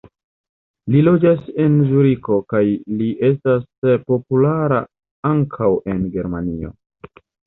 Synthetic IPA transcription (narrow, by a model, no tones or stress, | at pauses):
lilo̞d͡ʒase̞nzuɾiko̞kajliʔe̞s̬taspo̞pulaɾa̰ | aŋkʰawe̞nɡe̞ɾmanio̞̰